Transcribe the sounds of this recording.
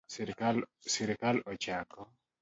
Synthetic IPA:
sɾklsiɾkalɔt͡ʃakɔ

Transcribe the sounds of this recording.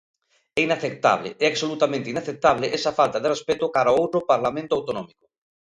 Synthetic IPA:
ɛinaθek̚t̪a̰β̞lɪ̰ɛaksolut̪amẽnt̪ɪinaθek̚t̪aβlɪʔɛsafalt̪aðerespɛt̪ʊkaɾaowt̪ɾopaɾlamẽnt̪oawt̪onɔmikʊ

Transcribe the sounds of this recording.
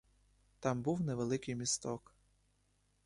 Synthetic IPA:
t̪ɑmbuwneʋelˠɪkɪjmʲist̪ɔk

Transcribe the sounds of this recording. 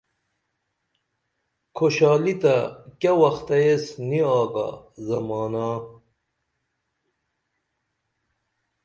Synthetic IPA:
kʰoɕaːlit̪ɐkɐwɐxt̪ɐjesniaːɡa̰zɐmaːnaː

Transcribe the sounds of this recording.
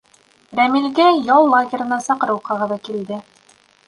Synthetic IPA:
ɾæmilɡæjɑlˠlˠaɡʲɪ̆ɾɤ̆nɑsɑqɤ̆ɾɤ̆wqʰɑʁɤðɑkild̪ɘ

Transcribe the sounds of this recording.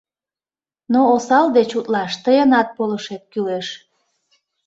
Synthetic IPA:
noːsɑld̪et͡ɕut̪lɑʃt̪əjənɑt̪̚poləʃet̪̚kyleʃ

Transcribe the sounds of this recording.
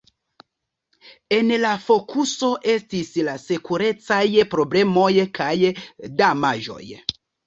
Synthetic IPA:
e̞nlafo̞kʰuso̞ʔe̞stislasekuɾe̞t͡sajpɾo̞ble̞mo̞jkʰajdamaʒo̞̰j

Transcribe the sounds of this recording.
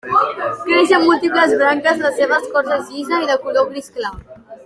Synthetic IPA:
kɾeʃəmːulˠt̪ipləzβɾaŋkəzləseβəskɔɾzəzizəiðəkuloβɾiskla

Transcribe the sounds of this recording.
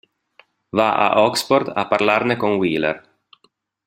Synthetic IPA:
vaʔa̰ʔɔksford̪a̰pːarlarnekoŋwiːlḛr

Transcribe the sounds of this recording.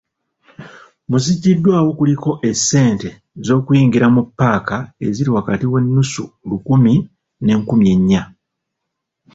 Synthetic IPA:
muziɟːidːwaːwo̞kuliko̞ʔe̞sːe̞ːnte̞ | zo̞ːkujiːŋɡiɾamupːaːkae̞ziɾiwakatiwe̞nːusulukumi | ne̞ːŋkumje̞ɲːa

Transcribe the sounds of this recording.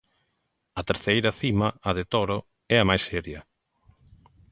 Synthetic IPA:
ɐt̪eɾθejɾɐθimɐɐðet̪ɔɾo | ɛɐmajsɛɾjɐ

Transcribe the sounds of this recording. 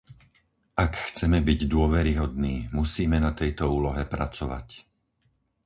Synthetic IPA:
akxt͡sɛmɛbiɟd̪ʊɔʋɛɾiɦɔd̪niːmusiːmɛnat̪ɛjt̪ɔuːlɔɦɛpɾa̰t͡sɔʋa̰c

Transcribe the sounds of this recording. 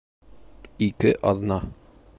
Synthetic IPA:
ikɘʔɒðnɑ

